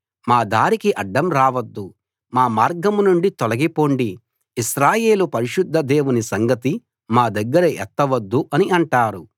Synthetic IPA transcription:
maːd̪aːɾikiʔɐɖːɐmɾaːʋɐd̪ːu | maːmaːɾɡɐmunuɳɖit̪ɔlɐɡipoːɳɖiː | ʃɾaːje̞ːlupɐɾiʃud̪ʱːɐd̪e̞ːʋunisɐŋɡɐt̪i | maːd̪ɐɡːɐɾɐʔɛt̪ːɐʋɐd̪ːuʔɐniɐɳʈaːɾu

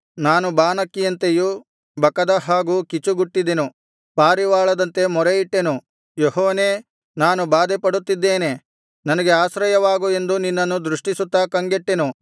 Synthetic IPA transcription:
naːnubaːnɐkːijɐnt̪eju | bɐkɐd̪ɐɦaːɡukit͡ʃːuɡuʈːid̪enu | paːɾiʋaːɭɐd̪ɐnt̪e̞mɔɾeiʈːe̞nu | jɔhɔːneː | naːnubaːd̪ɛpɐɽut̪ːid̪ːeːne̞ | nɐnɐɡeaːsɾɐjɐʋaːɡue̞nd̪uninːɐnːud̪ɾuʂʈisut̪ːɐkɐŋɡeʈːenu

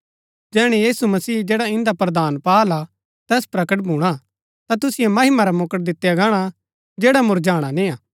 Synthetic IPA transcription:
d͡ʒɛːɽ̃ejiːsumɐsiːd͡ʒɛːɽaɪ̃nd̪apɾɐd̪aːnpaːla | t̪ɛːspɾɐkəʈbʱuːɽ̃a | t̪at̪̬ʊsɪjemɐɦɪmaɾamokəʈ̚d̪ɪt̪ːejaɡaːɽ̃a | d͡ʒeːɽamʊɾd͡ʒaːɽ̃anɪ̃aː

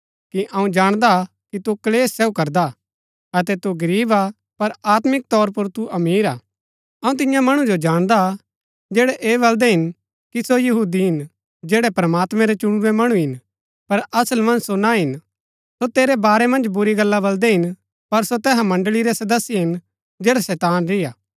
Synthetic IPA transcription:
kiʔɐ̃ũd͡ʒaːɽ̃d̪a | kit̪ukɐleːsːɛukɐɾd̪a | ɐt̪̬ɛt̪uɡɐɾiːba | pɐɾaːt̪mɪk̚t̪ɔːɾp̬ʊɾt̪uʔɐmiːɾaː | ɐũt̪̬ɪ̃jãmɐɽ̃ud͡ʒod͡ʒaːɽ̃d̪a | d͡ʒɛːɽɛʔeːβɐld̪ɛɦɪn | kisojɐɦuːd̪iɦɪn | d͡ʒeːɽɛpɾəmaːt̪mɛ̃ɾɛt͡ʃʊɽwemɐɽ̃ũɦɪn | pɐɾɐsəlmɐ̃nd͡ʒsonaɦɪn | sot̪eːɾɛbaːɾɛmɐ̃nd͡ʒbʊɾiɡɐlːabɐld̪ɛɦɪn | pɐɾsot̪ɛːɦãmɐ̃ɳɖəliɾɛsɐd̪əsːiɦɪn | d͡ʒeːɽasɛːt̪aːnɾɪjaː

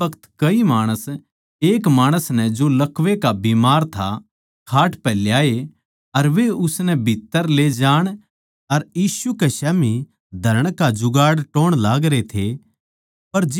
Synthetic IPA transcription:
ɐkʰə̥t̪kɐimaːɽ̃əs | eːkmaːɽ̃əsnɛ̃d͡ʒolɐkʰʋekabiːmaːɾt̪ʰa̰ | kʰaːʈpɛːljaːe | ɐɾʋeʊsnɛ̃bʱit̪ːəɾled͡ʒaːɽ̃ | ɐɾjiːʃukeʃɛːmi | d̪ʱɐɾəɽ̃kad͡ʒʊɡaːɽʈoːɽ̃laːɡɾet̪ʰe | pɐɾd͡ʒ

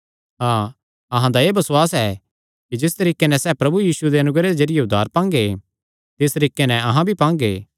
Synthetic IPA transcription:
ɦaː | ɐɦãd̪aeːbɐsʊaːsɛ | kid͡ʒɪst̪ɐɾiːkenɛsɛːpɾɐbujiːsued̪eɐnʊɡɾed̪ed͡ʒɐɾɪjeʊd̪ʱːaːɾpãːŋɡe | t̪ɪst̪əɾiːkenɛ̃ɐɦãbʱipãːŋɡḛː

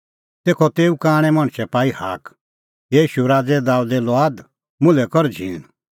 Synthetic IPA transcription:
t̪eːkʰɔt̪eːukaːɽ̃ɛmɐɽ̃sɛpaːihaːk | jiːʃuɾaːd͡zɛd̪aːud̪ɛlɔaːd̪ | mʊ̃lɛkɔɾd͡ʒʱĩːn

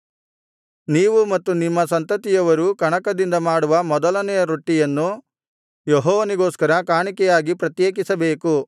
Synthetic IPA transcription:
niːʋumɐt̪ːunimːɐsɐnt̪ɐt̪ijɐʋɐɾukɐɳɐkɐd̪ind̪ɐmaːɽuʋɐmɔd̪ɐlɐnɛjɐɾuʈːijɐnːu | jeɦɔːʋɐniɡoːskɐɾɐkaːɳikɛjaːɡipɾɐt̪jeːkisɐbeːku

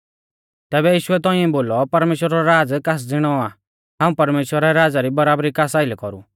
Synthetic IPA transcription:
t̪ɛːbɛjiːʃuɛt̪ɔĩɛ̃boːlɔpɐɾmeːʃwəɾaɾɔɾaːd͡zkas̬d͡zɪɽ̃ɔa | ɦãũpɐɾmeːʃwəɾɛɾaːd͡zaɾibɐɾaːbɾikaːsaːɪlɛkɔɾṵ

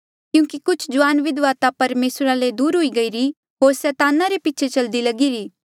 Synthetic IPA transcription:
kjũːkikʊt͡ʃʰd͡ʒʊʋaːnʋɪd̪ʋaːt̪apɐɾmeːsɾaled̪uːɾɦoiɡɐiɾi | ɦoːɾsɛːt̪aːnaɾepɪːt͡ʃʰet͡ʃɐld̪ilɐɡiɾiː

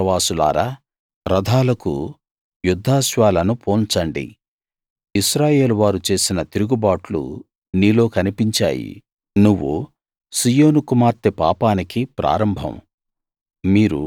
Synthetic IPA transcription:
ɐʋaːsula̰ːɾaː | ɾɐd̪ʱaːlɐkṵ | jud̪ʱːaːʃʋaːlɐnupʰo̞ːnt͡ʃɐɳɖḭ | iʃɾaːje̞ːluʋaːɾut͡ʃe̞ːsinɐt̪iɾuɡubaːʈlṵ | niːlo̞ːkɐnipiɲt͡ʃa̰ːjḭ | nuʋːṵ | sijo̞ːnukumaːɾt̪epaːpaːnikipɾa̰ːɾɐmbʱɐ̰m | miːɾṵ

